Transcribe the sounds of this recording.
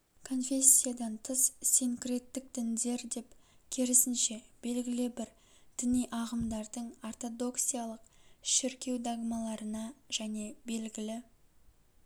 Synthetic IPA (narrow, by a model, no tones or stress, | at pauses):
kʰo̞nfʲe̞sʲːijad̪ɑnt̪ʰəsseŋkʲre̞t̪ːɪk̚d̪̥ɪnd̪e̞ɾd̪e̞pkʲʰeɾɪsɪnʃe̞b̥e̞lɡʲɪlɪbɪɾ | d̪̥ɪnijʔɑʁəmd̪ɑɾd̪əɴort̪o̞d̪o̞ksijalˠəqʃɪɾkʲe̞wd̪aɡmɑlˠɑɾənɑʒ̥æne̞be̞lɡʲɪlɪ